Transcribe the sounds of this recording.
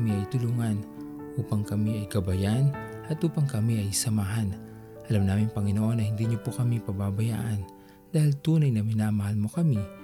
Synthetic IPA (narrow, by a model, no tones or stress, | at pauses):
miɐjt̪ʊluŋanʔuːpɐŋkɐmiɐjɡɐbɐjanʔɐt̪ʔuːpɐŋkɐmiʔɐjsɐmaɦan | ʔɐlamnaːmɪŋpɐŋɪnoʔo̞nːɐhɪnd̪iɲopokɐmipɐbabɐja̰ːʔɐn | d̪aːhɪlt̪uːnɐjnɐmɪnamɐhalmokɐmi